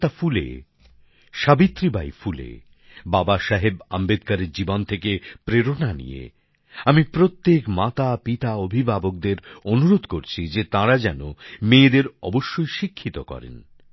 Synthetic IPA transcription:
ʈafulḛ | ʃabit̪ːɾibajfulḛ | babaʃaɦeba̰mbed̪̚kaɾeɾd͡ʑibont̪ʰekepɾeɾonanḭjḛ | amipɾot̪ːekmat̪apit̪aobʱibʱabok̚d̪eɾonuɾod̪ʱkoɾt͡ɕʰid͡ʑet̪ãɾad͡ʑɛnomeːd̪eɾɔ̰boʃːojʃikʰːit̪okɔ̰ɾḛn

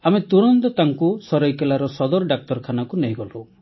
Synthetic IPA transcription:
amet̪uɽ̃ɔnt̪ɔt̪aŋkusɔɾɔjkelaɾɔsɔd̪ɔɾɔɖak̚t̪ɔɾkʰanakuneɦjɡɔl̤u

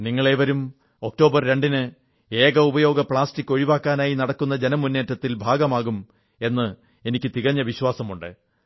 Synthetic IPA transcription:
niŋːɐɭe̞ːʋɐɾum | o̞k̚to̞ːbɐrɾe̞ɳɖinɨ | e̞ːɣɐubɐjo̞ːɡɐpɭaːstikːo̞ɻiʋaːkːaːnaːjinɐɽɐkːun̪ːɐd͡ʑe̞nɐmunːe̞ːtːɐt̪ːilbʱaːɡɐmaːɣum | e̞nːɨ | e̞nikʲːɨt̪iɣɐɲːɐʋiɕwaːsɐmuɳɖɨ̰

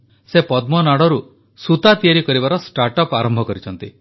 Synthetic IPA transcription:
sepɔd̪mɔnaɽɔɾu | sut̪at̪ijaɾikɔɾibaɾɔsʈaɾʈɔpaɾɔmbʱɔkɔɾit͡ʃʰɔnt̪i

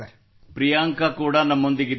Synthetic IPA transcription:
pɾijaːŋkakuːɽɐnɐmːond̪iɡid̪

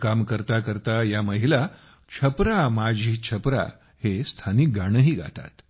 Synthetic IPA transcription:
kamkəɾt̪akəɾt̪ajaməɦila | t͡ɕʰəpɾamad͡ʑʱiːt͡ɕʰəpɾa̰ | hest̪ʰanik̚ɡaɽ̃əɦiːɡʱa̰t̪a̰t̪

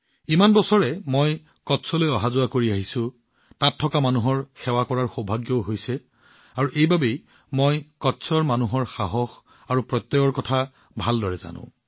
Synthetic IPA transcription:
imanbɔsɔɹɛmoj | kɔtsʰɔlojɔɦazʊwakoɹiaɦisʊ̃ | tatʰːɔkamanuɦɔɹxɛwakɔɹaɹxobʱaɡjɔɦojsɛ | aɹuʔejbabej | mojkɔtsʰɔɹmanuɦɔɹxaɦɔx | aɹupɹɔt̪ːɔɡɔɹkɔtʰa | bʱaldɔɹɛza̰nʊ̰̃

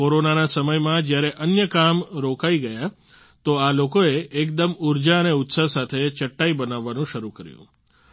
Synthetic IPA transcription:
oɾonanasəməjmãd͡ʒjaɾeʔənjəkamɾokaiɡəja | t̪oalokoeːkd̪əmuɾd͡ʒaəneʊt̪sasat̪ʰet͡ʃəʈːaibənaʋːanũʃəɾukəɾjṵ̃

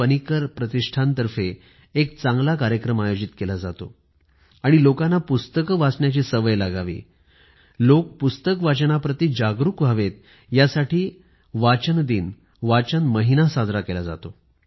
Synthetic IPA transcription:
ənikəɾpɾət̪iʂʈʰant̪əɾfeː | k̚t͡sãŋɡlakaɾjəkɾəmajod͡ʑit̪kelad͡za̰t̪o̰ | aɽ̃ilokanːapust̪əkʋasɳjat͡ɕiːsəʋəjlaɡaʋḭː | lok̚pust̪əkʋat͡ɕəɳ̃apɾət̪iːd͡ʑaɡɾukʋʱaʋet̪̚ | jasaʈʰiː | ʋat͡ɕənd̪iːn | ʋat͡ɕənməɦinasad̪ʱɾakelad͡za̰t̪o

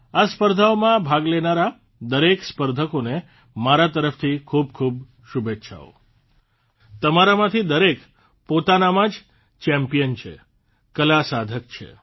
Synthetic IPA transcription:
aspəɾd̪ʱaomãbʱaɡlenaɾa | d̪əɾekspəɾd̪ʱəkone | maɾat̪əɾəft̪ʰikʰub̚kʰub | ʃubʱetːʃʰa̰ʋo̰ | t̪əmaɾamãt̪ʰid̪əɾek | pot̪anamãd͡ʒ | t͡ʃɛmpijənt͡ʃʰḛ | kəlasad̪ʱəkt͡ʃʰḛ

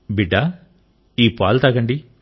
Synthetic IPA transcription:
biɖːa | iːpaːlt̪aɡɐɳɖi

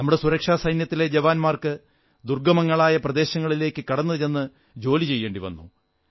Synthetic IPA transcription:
nɐmːuɽe̞suɾɐkʂaːsɐjnjɐt̪ːile̞d͡ʑɐʋaːnmaːrkɨ | d̪urɡɐmɐŋːɐɭaːjɐprɐd̪e̞ːɕɐŋːɐɭile̞ːkːɨkɐɽɐnːɐenːɨ | d͡ʑo̞ːlit͡ɕe̞jːeːɳɖiʋɐ̰nːṵ

